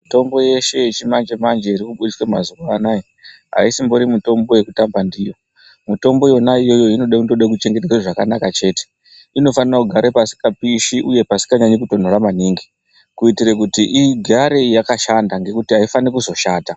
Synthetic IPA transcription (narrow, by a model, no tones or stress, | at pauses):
mito̞mbo̞je̞ʃe̞t͡ʃimand͡ʒemand͡ʒeiɾikuɓuɾiswemazuʋaːnaje | ɦa̰isimbo̞ɾimuto̞mbo̞je̞kutambandijo̞ | muto̞mbo̞jo̞naijo̞jo̞ino̞ɗekundoɗek̬ut͡ʃe̞ŋɡe̞teaʐakanakat͡ʃe̞ːte̥ | ino̞fanirakuɡʱaɾepasi̥kapiʃiʔuje̞pasi̥kaɲaɲek̬uto̞n̤o̞ɾamaniːŋɡi | kuitiɾekutiʔiɡʱaɾe̞jakaʃandaŋɡe̞kutiɦaifanikuzo̞ʃaːta